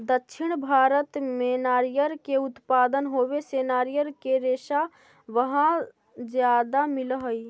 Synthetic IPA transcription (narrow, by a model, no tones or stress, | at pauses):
d̪əkːʃʰɪɽ̃bʱaːɾət̪menaːɾijəɾkeʊt̪paːd̪ənɦoːweseːnaːɾijəɾkeɾeːʃa | ʋəɦã | d͡ʒjaːd̪amɪlɦəi